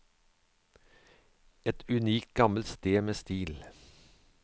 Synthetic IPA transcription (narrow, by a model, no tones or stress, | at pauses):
ɛt̪ʉniːkt̪̚ɡɑməlt̪st̪eːmeːst̪iːl